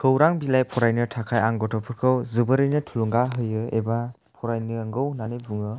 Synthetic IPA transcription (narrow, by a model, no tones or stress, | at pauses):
kʰɯwɾaŋbilajpʰɔɾajnɯtʰakʰajaŋɡɔtʰɔpʰɯkʰɯwzɯbɯɾɯjnɯtʰuluŋɡaɦɯjɯeba | pʰɔɾajnɯːŋɡɯwnanebuŋɯ